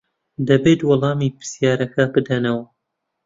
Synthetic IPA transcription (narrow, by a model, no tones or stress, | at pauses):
d̪ɐbeːt̪wɑlˠɑːmiːpɨ̥sjaːɾɐkʰɐbɨd̪ɐnɐwɐ